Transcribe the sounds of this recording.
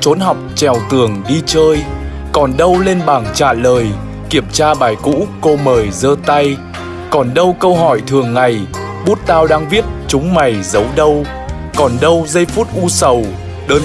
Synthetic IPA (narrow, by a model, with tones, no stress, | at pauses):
t͡ɕo˨˦nɦa˨˩wk͡p̚t͡ɕɛ˨˩wt̪ɨ˨˩əŋɗi˧t͡ɕəː˧j | kɔ˨˩nɗə˧wle˧nɓaː˨˩ŋt͡ɕa̰ː˧˩ləː˨˩j | ki˧˩əmt͡ɕaː˧ɓaː˨˩jkṵ˧˥ko˧məː˨˩jzəː˧t̪a˧j | kɔ˨˩nɗə˧wkə˧wɦɔ˧˩jt̪ʰɨ˨˩əŋːa˨˩j | ɓu˦˥t̚t̪aː˧wɗaː˧ŋvi˦˥ət̚t͡ɕʊ˨˦ŋ͡mma˨˩jzə˨˦wɗə˧w | kɔ˨˩nɗə˧wzə˧jfu˦˥t̚ʔu˧sə˨˩w | ɗəː˧n